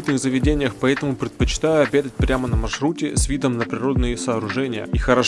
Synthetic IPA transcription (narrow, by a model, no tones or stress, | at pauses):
t̪nɨɣzəvʲɪdʲenʲɪjəxpɐɛt̪əmʊpɾʲɪt̪̚pət͡ɕɪ̥t̪ajʊɐbʲed̪ət̚ʲpɾʲamənəmɐʂɾutʲɪsvʲid̪əmnəpɾʲɪɾo̞d̪nɨjəsəːɾʊʐɛnʲɪjə̰ixəɾɐ